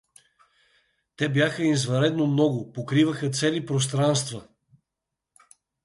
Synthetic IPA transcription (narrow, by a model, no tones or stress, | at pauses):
t̪ɛbjaxəizvɐɾɛd̪nomnɔɡʊpokɾivəxət̪sɛlipɾos̬t̪ɾanst̪və